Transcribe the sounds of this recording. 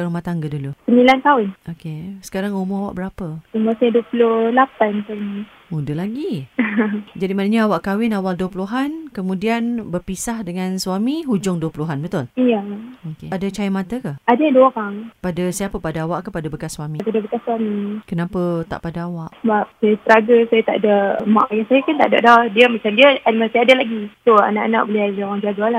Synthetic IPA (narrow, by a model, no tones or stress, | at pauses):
kaɾumat̪aŋɡədulusəmilant̪aʊnʔokesə̥kaɾaŋumʊawa̰ʔbəɾapəumasaduəpulʊhlapant̪almi | mudəlaɡi | d͡ʒadimanəɲaawaʔkawɪnawalduəpuluɦankəmũdianbərpisahdəŋanswamiɦud͡ʒʊŋduəpuluɦanbət̪ʊlijaokedat͡ʃajəmãt̪əkaadaadəoɾaŋpadəsapəpadaawaʔkəpadabəkasːwamipadabəkasːwamikənapət̪a̰ʔpadaawaʔsəbap̚sajast̪əɾaɡəsajat̪a̰ʔdama̰ʔajaŋsajakant̪a̰ʔda̰ʔdɔhdiəmat͡ʃamdiəamasaadalaɡisoa̰na̰ʔana̰ʔbəlɪaɣaŋd͡ʒaɡaala